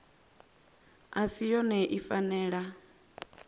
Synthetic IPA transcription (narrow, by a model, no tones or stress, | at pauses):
asijɔnɛʔifanɛːɺa